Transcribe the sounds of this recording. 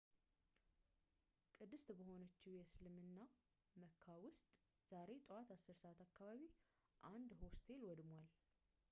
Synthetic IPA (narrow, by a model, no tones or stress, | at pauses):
kʼɨd̪ːɨst̪bəho̞nət͡ʃːiwjɛslɨmɨnːa | məkʰːawʊst̪ʼ | z̥aɾe̞t̪ʼəwat̪ʰasːɨɾsəat̪ʰakʰːaβaβi | ʔand̪host̪ʰe̞lwɔd̪mwal